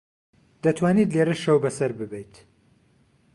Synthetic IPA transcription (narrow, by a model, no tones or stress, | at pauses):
d̪̥ɐt̪ʰwaːniːt̪leɾɐʃɐwbɐsɐɾbɨbɛjt̪